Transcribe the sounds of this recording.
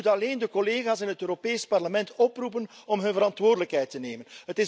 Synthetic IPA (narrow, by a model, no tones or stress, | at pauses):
tɑleːndəkɔleːɣaːsɪnɦətøːɾopeːjspɑrləmɛntɔprupənɔmɦɵnvəɾɑntʋoːrdələkɦɛjtəneːmənɦətɪ